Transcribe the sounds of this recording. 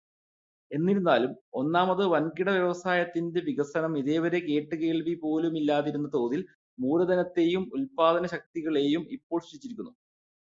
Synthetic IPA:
e̞nːiɾunːaːlumo̞nːaːmɐðɨʋɐnkiɽɐʋjeʋɐsaːjɐt̪ːinde̞ʋiɡɐsɐɳɐmiðe̞ːʋɐɾe̞ke̞ːʈːɨke̞ːɭʋipo̞ːlumilːaːðiɾunːɐt̪o̞ːðil | muːɾɐd̪ʱɐnɐt̪ːe̞ːjumulpaːd̪ɐnɐɕɐk̚t̪iɣɐɭe̞ːjumipːo̞ːɭɕʂit͡ɕːiɾikʲːunːu

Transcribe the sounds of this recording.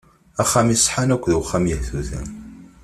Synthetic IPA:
æχːæmisˤħanækʷːðwχːæmjəhθuθæ̰

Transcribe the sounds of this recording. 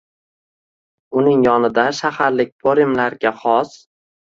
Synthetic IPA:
ʊnɪŋjɒnɪd̪aʃahaɾlɪk̚ʲbʰoɾɪmlaɾɡʲaχɒs

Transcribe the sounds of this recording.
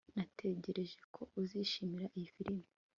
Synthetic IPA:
natʰe̞ɟe̞ɾe̞ʒe̞kʰo̞ʔuziʃimiɾaʔijifiɾimi

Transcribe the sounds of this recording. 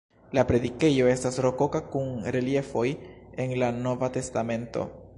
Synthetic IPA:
lapɾe̞dike̞jo̞e̞stasɾo̞ko̞kakunɾe̞lie̞fo̞je̞nlano̞vate̞stame̞nto̞̰

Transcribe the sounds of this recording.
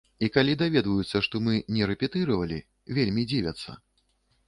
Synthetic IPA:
ikalʲid̪avʲɛd̪vɐjut̪sːɐʂt̪ɔmɨnʲɛɾɛpʲɛt̪ɨɾɐvɐlʲḭ | vʲelʲmʲid͡zʲivʲɐt̪sːɐ̰

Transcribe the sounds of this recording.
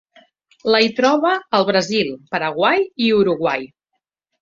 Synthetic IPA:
ləjt̪ɾɔβəːlˠβɾəzilˠpəɾəɣwajiuɾuɣwaj

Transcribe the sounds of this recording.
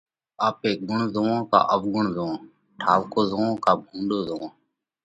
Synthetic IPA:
aːpeːɡʊɳzoːãːka̰ːʔəʋɡʊɳzoõː | ʈʰaːʋkoːzoːõːkaːbʱũːɳɖoːzoõː

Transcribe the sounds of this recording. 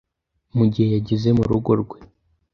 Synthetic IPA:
muɟihejaɟize̞muɾuɡo̞ɾɡwe̞

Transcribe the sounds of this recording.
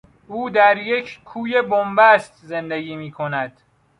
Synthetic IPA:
ʔuːd̪æɾjecʰkʰuːjebombæst̪zend̪eɡiːmiːkʰo̞næd̪̥

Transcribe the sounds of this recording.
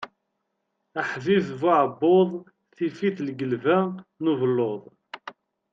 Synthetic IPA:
əħviθvaʕəbːoðˤ | θifiθlɡəlvænuvəlːoðˤ

